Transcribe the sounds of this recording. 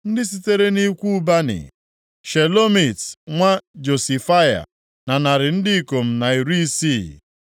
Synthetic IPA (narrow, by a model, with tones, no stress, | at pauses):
n̩˦dɪ˦s̬i˦te˦ɾe˦ni˦kʷu˦u˦ba˦nɪ̰˨ | ʃe˨lo˦mi˨tŋʷa˦d͡ʒo˨si˨fa˦ja̰˨ | na˨na˨ɾɪ˨n̩˦dɪ˦ko˨m̩˨na˨i˨ɾu˦i˦si˦˨